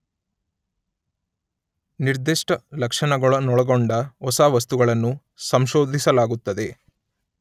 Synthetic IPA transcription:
niɾd̪iʂʈɐlɐkʂɐɳɐɡɐɭɐnɔɭɐɡo̞ɳɖɐɔsaːʋɐst̪uɡɐɭɐnːu | sɐmʃoːd̪ʱisɐlaːɡut̪ːɐd̪e̞

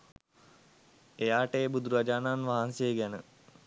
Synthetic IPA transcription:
ejaːʈəbud̪uɾad͡ʒaːnanʋaɦansejeɡænə

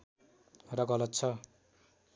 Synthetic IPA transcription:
rʌɡʌlʌt̪t͡sʰʌ

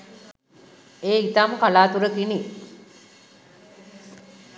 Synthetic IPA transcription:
eːit̪aːmkalaːt̪uɾəkini

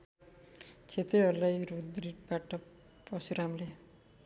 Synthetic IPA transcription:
t͡sʰet̪eɦʌɾulajrud̪ɾiʈ̚baʈʌ | pʌsuɾamle

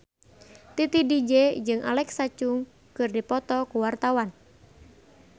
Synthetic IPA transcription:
t̪it̪idid͡ʒed͡ʒɨŋʔa̰lɛksat͡ʃʊŋ | kɨrdipɔt̪ɔkuwart̪awan

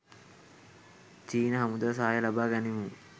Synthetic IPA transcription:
t͡ʃiːnɐɦɐmud̪as̬aːjɐlabaːɡanimuŋ

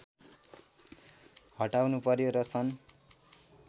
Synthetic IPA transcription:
hʌʈawnupʌɾjoɾʌsʰʌn

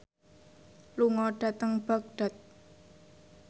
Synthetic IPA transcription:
luŋɔɖ̥a̤t̪əŋb̥a̤k̚ɖ̥a̤t̪̚

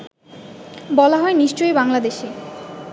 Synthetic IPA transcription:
bɔlaɦɔeniʃt͡ɕojbaŋlad̪eʃe

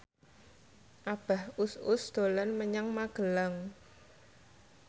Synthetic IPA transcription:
ʔab̥a̤hʊsʊsd̪̥o̤lanməɲaŋmaɡ̥əlaŋ

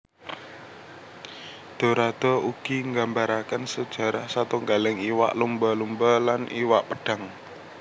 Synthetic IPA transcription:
d̪̥o̤ɾad̪̥ɔ̤uɡ̥iŋɡambaɾakənsəd̥ʒ̥a̤ɾahsat̪uŋɡalɪŋiwa̰ʔlumbɔlumbɔlanʔḭwaʔpəɖ̥a̤ŋ

